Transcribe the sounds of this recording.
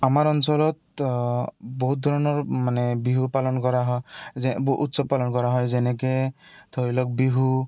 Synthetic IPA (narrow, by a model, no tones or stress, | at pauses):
amaɾɔnsɔlɔt̪̚ | boɦut̪̚d̪ʱɔɾɔnɔɹmanɛbiɦupalɔnkɔɾaɦɔɛbʔut̪sɔpalɔnkɔɾaɦɔjzɛnɛket̪ʰoilɔk̚biɦu